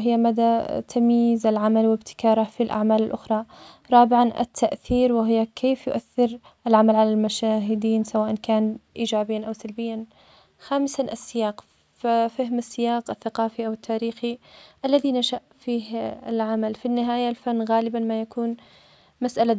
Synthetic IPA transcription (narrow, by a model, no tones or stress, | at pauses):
ɦɪjːamad̪at̪ʰamiːzɪlʕamalwɪbt̪ʰɪ̥kɑːɾˤafilʔa̰ʕmaːlɪlʔʊxɾˤɑɾˤɑːbɪʕanʔɪ̰t̪ʰːaʔθiːɾwɪɦɪjːakʰeːfjʊʔaθːɪɾ | ʔɪlʕamalʕalalmaʃaːɦɪd̪iːnsawaːʔankaːnʔiːd͡ʒaːbɪjːanʔawsalbɪjːan | xaːmɪsʔasːɪjaːq | fafɪhmasːɪjaːqɪθːaqɑːfiʔawɪt̪ʰːaːɾiːxiʔalːaðinaʃaʔfiːhɪlʕamalfinːɪɦaːjalfanːɣaːlɪbanmajakuːn | masʔala